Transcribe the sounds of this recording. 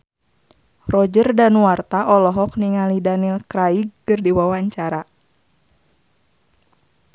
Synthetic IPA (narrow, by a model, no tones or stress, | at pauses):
rɔd͡ʒərdanuwart̪aʔɔlɔɦɔk̚niŋalidanilkɾaiɡːɨrdiwawaɲt͡ʃaɾa